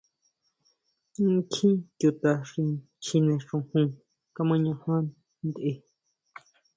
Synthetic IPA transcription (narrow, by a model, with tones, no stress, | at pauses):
kʰĩ˦tju˧˨t̪a˧ʂi˧ | t͡ʃʰĩ˧nẽ˧˨ʂũ˧hũ˧ | ka˧mã˧ɲã˧hã˦ | nd̪ʔe˧˨